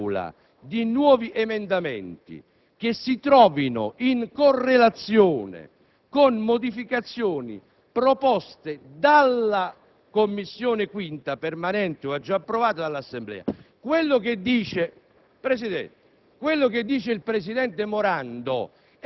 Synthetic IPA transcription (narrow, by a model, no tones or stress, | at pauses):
la̰ | d̪inwɔːviʔemend̪amɛ̰nt̪ḭ | k̟esːit̪ɾɔːvino̰ʔiŋkorːelat̪sjoːnḛ | konmod̪ifikat̪sːjoːnḭ | pɾopɔst̪ed̪alːa | komːisːjoːnekwint̪apermanɛnt̪eoad͡ʒːaːpːɾovaːt̪ad̪alːasːemblɛ̰ːa̰kwelːʊk̟ed̪ːiːt͡ʃe | pɾesid̪ɛ̰nt̪ | kwelːoked̪ːiːt͡ʃeilpɾesid̪ɛnt̪emoɾand̪o̰